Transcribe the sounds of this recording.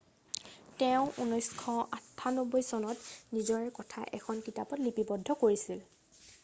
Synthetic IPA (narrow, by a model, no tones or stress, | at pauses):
tɛʊ̃ʔṵnɔjskʰɔatʰːanɔbɔjsɔnɔtnizɔɹɛkɔtʰa̰ʔɛ̰kʰɔnkitapɔtlipibɔdʱːɔkoɹisil